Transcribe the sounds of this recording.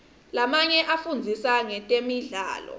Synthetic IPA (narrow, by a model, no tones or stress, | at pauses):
lamaɲɛʔafund͡zʱisaŋɛtʼemiɮa̰ːlɔ̰